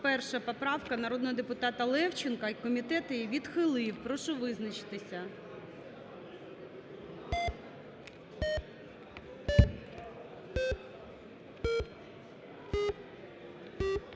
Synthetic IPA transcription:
pɛrʃɐpɔpɾɑwkɐnɐɾɔd̪nɔɦɔd̪epʊt̪ɑt̪ɐlˠɛwt͡ʃɪnkɐkɔmʲit̪ɛt̪ɪʋʲid̪xɪlˠɪwpɾɔʃɔʋɪznɐt͡ʃɪ̥t̪ɪsʲɐ

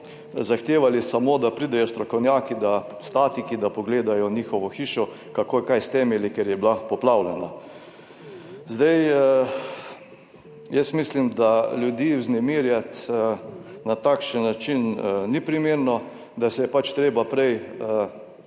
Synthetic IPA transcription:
zaxt̪eːʋalisamod̪apɾiːd̪ɛjɔst̪ɾɔkɔwnʲjaːkid̪a | st̪aːt̪ikid̪apɔɡleːd̪ajɔniːxɔʋɔxiːʃɔ | kakoːjkajst̪ɛmɛlikɛɾjɛblapɔplawlɛna | zd̪aj | jəsmislimd̪alʲjud̪iːwznɛmiːɾjat̪ | nat̪akʃənːat͡ʃinnipɾimeːɾnɔ | d̪asɛjɛpat͡ʃt̪ɾeːbapɾɛj

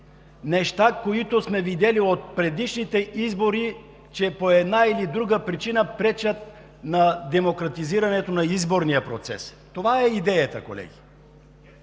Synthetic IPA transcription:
nɛʃt̪akoit̪osmɛvid̪ɛliot̪̚pɾɛd̪iʃnit̪ɛizboɾi | t͡ʃɛpoɛd̪nailid̪ɾuɡəpɾit͡ʃinəpɾɛt͡ʃət̪̚ | nɐd̪ɛmokɾɐt̪iziɾɐnɛt̪onɐizboɾnijəpɾo̰t̪sɛ̰s | t̪ovaɛid̪ɛjət̪əko̰lɛ̰ɡʲi

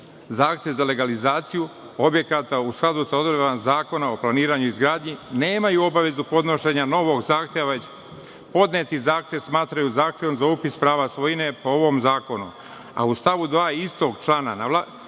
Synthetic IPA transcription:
zaːxt̪je̞ʋzale̞ɡalizaːt̪siju | o̞bje̞kat̪ausklˠad̪usao̞d̪ɾeazaːko̞nao̞planiːɾaɲuizɡɾaːd̪ɲine̞ːmajuo̞baʋe̞zupo̞d̪no̞ʃe̞ɲano̞ʋo̞ɡzaːxt̪ʲjeʋa | po̞d̪neːt̪izaːxt̪jeʋsmaːt̪ɾajuzaːxt̪ʲjeʋomzaupispɾaːʋasʋo̞jine̞pooʋo̞mzaːko̞nu | a̰ust̪aʋud̪ʋaːist̪o̞ɡt͡ʃlaːnanala

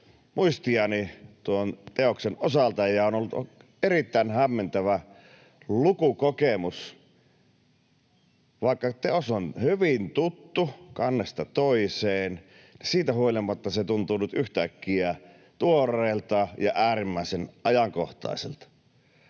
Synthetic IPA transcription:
mʔuist̪iɑnit̪uont̪eoksenosɑlt̪ɑjɑonolːut̪o | erit̪ːæˑinhæmːent̪æʋæ | lukukokemus | ʋɑˑikːɑt̪eosonhyʋint̪ut̪ːukɑnːest̪ɑt̪oiseːn | nisiːt̪æhuolʲimːɑt̪ːɑset̪unt̪uːnyt̪yht̪ækːiæ | t̪uorˑeːlt̪ɑjɑʔæːrimːæˑisenʔɑjɑŋko̰ht̪ɑ̰ˑiselt̪ɑ̥

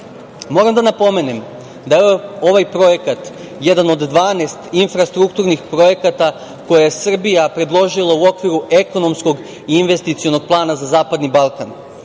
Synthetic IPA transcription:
mo̞ɾamd̪anapo̞me̞nem | d̪aeo̞ʋajpɾo̞je̞kat̪ | jed̪ano̞d̪d̪ʋaːnest̪infɾast̪ɾukt̪uɾnixpɾo̞je̞kat̪a | ko̞jajesr̩bijapɾe̞d̪lˠo̞ʒilˠauo̞kʋiɾue̞ko̞no̞msko̞ɡ | iinʋe̞st̪it̪sijo̞no̞ɡ̚plˠaːnazazaːpad̪nibalˠkan

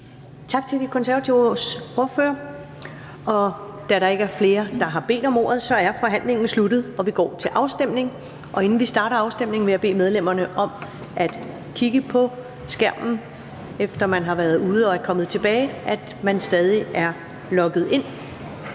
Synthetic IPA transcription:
t͡sʰɑ̈ɡ̥̚t͡sʰe̝ld̥ikʰɒ̽nsæɐæt͡sʰiʊsoɐføːɐ | ɒ̽d̥æɾ̥ɑ̈e̝ɡ̥əæɐfle̝ːɐd̥ɑ̈ɦɑ̈b̥e̝̰ːd̥ɒ̽mɔ̰ːɐð̞̩ˠsɒ̽æɐfɒ̽ɦæn̰le̝ŋn̩slud̥ð̩ˠɒ̽ʋiɡ̥ɒ̰ːt͡sʰe̝lʔɑ̈ʊsd̥em̰ne̝ŋ | ʔɒ̽e̝nn̩ʋisd̥ɑ̈ːɾɐɑ̈ʊsd̥em̰ne̝ŋʋe̝æb̥e̝̰ːmeðˠlem̰ɐnəʔɒ̽m | ʔæd̥ | kʰiɡ̥əpʰɒ̽ | sɡ̥æɐ̰mn̩ | efd̥ɐmænɦɑ̈ʋæɐð̩ˠuːð̞̩ˠɒ̽æɐkʰɒ̽məð̞̩ˠt͡sʰe̝b̥ɛːɪʔæd̥mænsd̥ɛːð̞ˠiæɐ | lɒ̽ɡ̥ð̞̩ˠe̝n̰

